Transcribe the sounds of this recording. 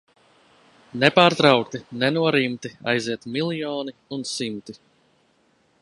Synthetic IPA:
nɛpaːɾt̪ɾawkt̪inɛnuɔɾimt̪ia̰jziɛt̪milˠijɔːniunsimt̪i

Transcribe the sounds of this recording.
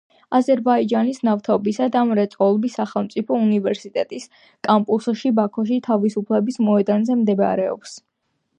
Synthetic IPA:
azɛɾbaid͡ʒanisnaft̪ʰɔbisad̪amɾɛt̪sʼqʼɔlˠbisːaχɛlˠmt̪sʼipʰɔunivɛɾsit̪ʼɛt̪ʼis | kʼampʼusʃibakʰɔʃ̬it̪ʰavisupʰlɛbismɔɛd̪anzɛmd̪ɛba̰ɾɛɔ̰ps

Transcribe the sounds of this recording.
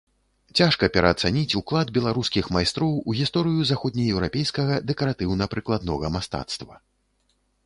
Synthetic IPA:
t͡sʲaʂkɐpʲɛɾɐːt̪sanʲit͡sʲuklˠad̪bʲɛlˠaɾuskʲixmajst̪ɾɔwuɣʲist̪ɔɾɨjuzaxɔd̪ʲnʲɐjɛwɾapʲejskɐɣɐd̪ɛkɐɾat̪ɨwnɐpɾɨklˠad̪nɔɣɐmast̪a̰t̪st̪vɐ

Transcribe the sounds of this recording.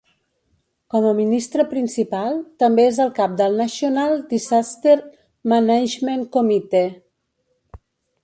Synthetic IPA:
kɔməminist̪ɾəpɾinsipalˠt̪əmbeezəlˠkap̚d̪əlˠnəsiunalˠd̪izast̪eɾ | manɛʒmenkomit̪e

